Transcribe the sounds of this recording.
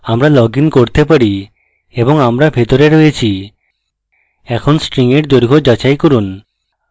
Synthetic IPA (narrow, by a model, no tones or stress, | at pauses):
amɾalɔɡinkoɾt̪epaɽi | eboŋamɾabʱet̪oɾeɾojet͡ɕʰi | ɛkʰonsʈɾiŋeʈd̪oɾɡʱod͡ʑat͡ʃajkɔɾun